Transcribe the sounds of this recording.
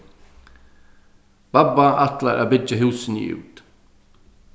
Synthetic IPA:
b̥ɑbaʔɑt̪laɾʔa̰ːbʏd͡ʒəɦʉːsn̩̰ʉ̰ːt̪

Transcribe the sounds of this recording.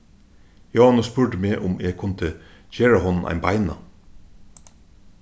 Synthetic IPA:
jɑːnʊspʉɹʈəmeːʔʊmeːɡkʰʊnt̪əçeːɹɑhɔnn̩ʔæ̰ɪnbɑ̰ɪnɑ̰

